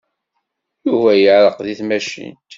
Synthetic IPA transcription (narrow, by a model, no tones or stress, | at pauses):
juvæjəʕɾəqðiθmæʃḭnt̪